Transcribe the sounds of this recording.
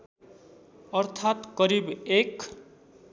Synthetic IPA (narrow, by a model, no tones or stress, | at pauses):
ʌrt̪ʰat̪kʌɾibek